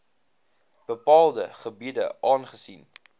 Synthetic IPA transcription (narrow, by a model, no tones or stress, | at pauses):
b̥əpɑːlˠdəχəbiədə̰ʔɑːnχəsin